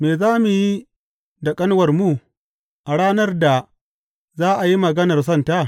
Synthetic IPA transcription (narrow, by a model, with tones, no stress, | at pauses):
meː˨zaː˦mu˨ji˦ | da˨kʼɐ˦nwɐ˨rmu˦ | ʔa˨ɽaː˦nɐ˦rda˨ | zaː˦ʔa˨ji˦mɐ˨ɡɐ˦nɐ˨rs̬ɐ˦˨ntaː˦